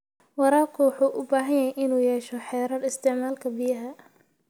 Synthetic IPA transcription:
wɑɾaːrkʰʊwɑħuːʔʊbaːɦɐjjɐjʔɪnuːjɛːʃɔħɛːɾɐdɪst̪ʰɪʕmaːlkʰɐbɪjɐɦɐ

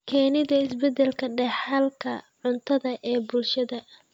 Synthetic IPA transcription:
kʰɛːnɪðɐɪsbɛd̪ɛlkʰɐɖɛħalkʰɐ̰ʕʊnt̪ʰɐðɐʔɛːbʊlʃɐðɐ

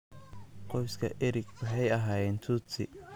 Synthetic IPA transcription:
qɔjskʰɐ̰ʔɛɾɪkʰʊɦɛjɐɦaːjɛːnt̪ʰuːt͡sɪ

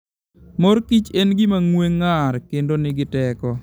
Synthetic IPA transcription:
mɔɾkit͡ʃenɡɪmaŋweŋːaɾkendonɪɡɪtɛkɔ

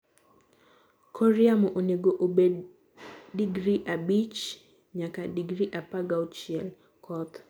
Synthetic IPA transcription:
kʰɔɾiamɔʔoneɡoʔobedː | iɡɾiʔabit͡ʃ | ɲakadiɡɾiʔapaɡaot͡ʃɪɛl | kʰɔt̪

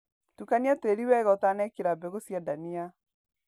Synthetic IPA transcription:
tukaniateɾiwɛɣɔtanɛkeɾabɛɣosjadania

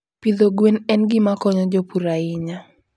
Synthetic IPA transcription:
pid̪oɡwenɛnɡɪmakɔɲɔd͡ʒɔpuɾaɪɲa

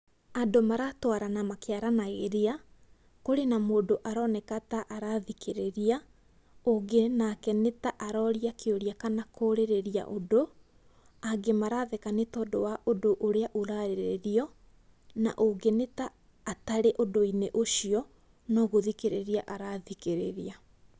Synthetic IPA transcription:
adomaɾatwaɾanamakeaɾanaɣeɾea | koɾenamoːdoʔaɾɔːnɛkataʔaɾaðikeɾeɾia | oɡenakɛnetaʔaɾɔɾiakʰeoɾiakanakʰoːɾeɾeɾia̰ʔodo | aɡemaɾaðɛkanetɔdowaʔodoʔoɾeaʔoɾaɾeɾeɾiɔ | na̰ʔoɡenetaː | taɾeʔodoineʔoʃiɔ | nɔːɣoðikeɾeɾiaʔaɾaðikeɾeɾia

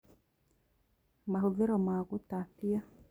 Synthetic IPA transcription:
mahuviɾɔmaɡutapia

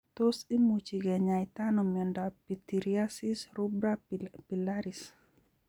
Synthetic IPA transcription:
t̪osimut͡ʃiɡɛɲajt̪anɔmɔndapit̪iɾiasisɾubɾapilaɾis

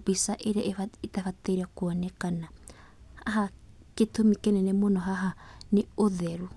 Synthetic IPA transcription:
bisaʔeɾeaʔetafataɾiakuɔnɛkana | aɦa | ketomikɛnɛnɛmonɔɦaɦaneoðɛɾu

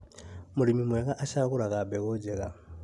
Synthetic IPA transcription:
muɾimimweɣaʔaʃaɣuɾaɣabeɣoɟeɣa

